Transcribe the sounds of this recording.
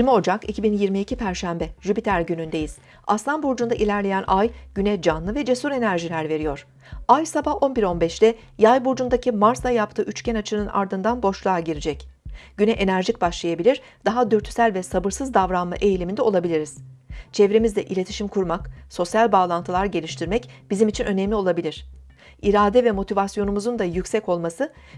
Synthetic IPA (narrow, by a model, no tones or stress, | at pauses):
ilʲmio̞d͡ʒakicʰibinjiɾmiːcʰipʰæɾʃæmbɛʒypit̪ʰæɾɟynynd̪e̞jiz̥ | aslˠanbuɾd͡ʒund̪aʔilʲæɾlʲe̞jænʔajɟynɛd͡ʒanlˠɯvɛd͡ʒesuɾe̞næɾʒilʲæɾve̞ɾijo̞ɾ̥ | ajsabaho̞nbiɾo̞nbɛʃlʲɛ | jajbuɾd͡ʒund̪acʰimaɾsˠajapt̪ʰɯːʔyt͡ʃcʰɛnat͡ʃʰɯnɯna̰ɾd̪ɯnd̪anbo̞ʃlˠaːɟiɾid͡ʒɛcɟ̥ynɛʔenæɾʒic̚baʃlˠajabilʲiɾ | d̪̥aɦad̪øɾt̪ʰy̥sælʲvɛsabɯɾsɯzd̪avɾanma̰ʔe̞jlʲimind̪ɛo̞lˠabilʲiɾiz̥t͡ʃʰɛvɾemizd̪ɛʔilʲe̞t̪ʰi̥ʃimkʰuɾmakso̞sjalʲbaːlˠant̪ʰɯlˠaɾɟe̞lʲiʃt̪ʰiɾmɛcb̥izimit͡ʃʰinʔø̞nɛmlʲio̞lˠabilʲiɾ̥ | iɾaːd̪ɛvɛmo̞t̪ʰivasjo̞numuzund̪ajycsɛco̞lˠmasɯ